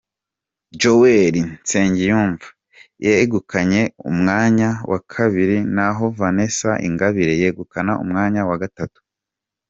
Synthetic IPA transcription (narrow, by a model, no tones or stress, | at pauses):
d͡ʒoweɾint͡seːɲɟijuːɱva | jeɡukʰaɲe̞ṵmŋaːɲawʔa̰kʰaβiɾinaɦo̞vane̞saʔḭŋɡaβiɾe̞jeɡukanaṵmŋaːɲawaɡatatu̥